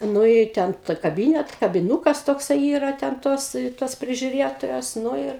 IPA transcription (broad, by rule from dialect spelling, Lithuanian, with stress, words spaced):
ˈnʊ ɪ ˈtʲɛn tɐ kɐˈbʲiːnʲɛt kɐbʲɪˈnuːkɐs toːkˈsɐɪ ˈiːrɐ tʲɛn ˈtoːs toːs pʲrʲɪʒʲʊˈrʲeːtoːjoːs ˈnʊ ɪr